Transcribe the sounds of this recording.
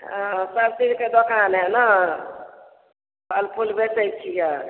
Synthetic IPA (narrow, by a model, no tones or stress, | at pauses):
ɦasalt̪inked̪okanɦɛna | əlpʰulbesək̚t͡ʃʰija